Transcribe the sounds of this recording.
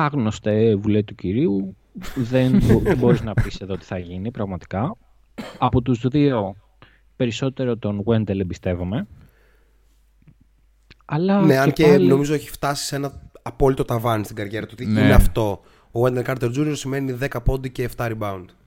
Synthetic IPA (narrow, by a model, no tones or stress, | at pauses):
ɐɣnost̪evulet̪uciɾiu | ðenbo̞ɾiznɐpise̞ðot̪i̥θɐʝinipɾɐɣmɐt̪i̥kɐː | pot̪uzðio̞ | pe̞ɾiso̞t̪e̞ɾo̞t̪o̞nɣwe̞nd̪elebist̪e̞vome̞ | ɐlɐne̞ɐnceno̞mizo̞eçi̥ft̪ɐsi̥se̞nɐɐpo̞lit̪ot̪ɐvɐnist̪iɡɐɾʝe̞ɾɐt̪uot̪iineɐft̪o̞ | oɣwend̪elkɐɾt̪eɾd͡zunio̞ɾsime̞niðe̞kɐpo̞nd̪eceːft̪ɐɾibɐund̪̥